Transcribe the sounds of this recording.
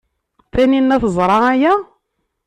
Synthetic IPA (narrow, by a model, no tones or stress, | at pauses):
θæninːæθəzˤɾˤɑæjæ